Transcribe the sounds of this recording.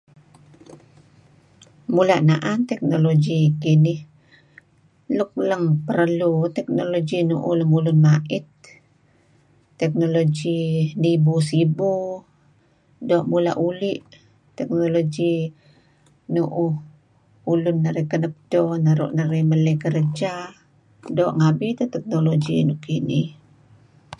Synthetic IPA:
mulaʔnaʔant̪ɛk̚nolod͡ʒikinɪh | luk̚ləŋpəɾlut̪ɛk̚nolod͡ʒinuʔuləmulʊnmaʔɪt̪̚ | ɛk̚nolod͡ʒinibusibu | doʔmula̰ʔuliʔ | t̪ɛk̚nolod͡ʒi | nuʔu | ulʊnːəɾikənəp̚donaɾṵʔnəɾimələkəɾəd͡ʒa | doʔŋabit̪at̪ɛk̚nolod͡ʒḭnukinih

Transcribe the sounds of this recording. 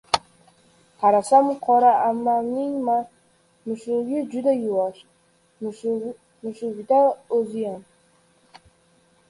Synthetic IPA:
haɾasamqʰɒɾaʔamːamnɪŋma | nʊʃʊɡʲɪd͡ʒʊd̪ajʊwaʃ | nʊʃʊɡd̪aɵzɪjam

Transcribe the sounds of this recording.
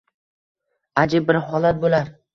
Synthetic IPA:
ad͡ʒɪb̚ːɪɾɦɒlat̪̚bolaɾ

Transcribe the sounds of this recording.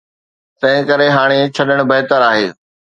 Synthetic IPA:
t̪ɐ̃ɦɪ̃kəɾeɦaːɽ̃et͡ɕʰɐɗəɽ̃bɐɦɪt̪əɾaːɦeː

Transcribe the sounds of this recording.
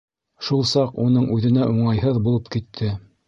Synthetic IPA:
ʃulˠsɑqunɤɴʔʉðɘ̆næʔuɴɑjɦɤðbulˠɤpkit̪ʰːɘ

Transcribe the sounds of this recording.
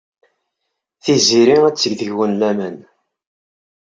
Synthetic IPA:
θiziɾiæt͡sːəɡðəʝwənlæmæn

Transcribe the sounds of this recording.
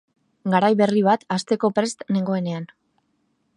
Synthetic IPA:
ɡaɾajβe̞riβ̞at̪ast̪e̞ko̞pɾe̞st̪ne̞ŋɡo̞e̞ne̞an

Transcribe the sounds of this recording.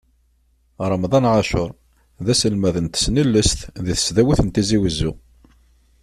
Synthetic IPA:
ɾˤəmðˤɑnʕaʃʊɾˤ | ðæsəlmæðənt̪ə̥snəlːəsθðiθə̥sðæwiθənt̪iziwəzːu

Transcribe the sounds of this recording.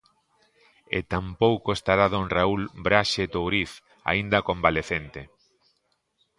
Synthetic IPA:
ḛt̪ampowkoest̪aɾaðonraulbɾaʃet̪owɾiθ | a̰ind̪ɐkõmbaleθent̪e

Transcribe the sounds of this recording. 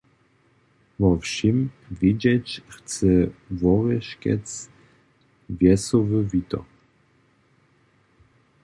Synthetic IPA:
vɔfɕim | vʲjid͡ʑɛt͡ɕxt͡sɛvɔʁɛʃkʲɛ̰t͡s | vjɛsɔvɨvit̪ɔ̰

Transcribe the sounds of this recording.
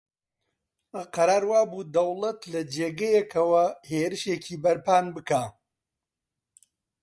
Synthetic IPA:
ʔɐqɐɾaːɾwaːbud̪ɐwlˠɐt̪lɐd͡ʒeːɡɐjɛkʰɐwɐheːɾɨʃeːcʰiːbɐɾpaːnbɨkaː

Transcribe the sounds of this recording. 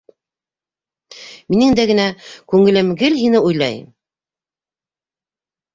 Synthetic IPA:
minɘŋd̪æɡɘ̆nækʉŋɘ̆lɘmɡɘlɦinɘujlˠɑ̰j

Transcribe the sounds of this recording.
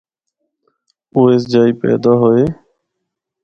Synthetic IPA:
oːeːsd͡ʒaːiːpɛ̰ːd̪aːɦoeː

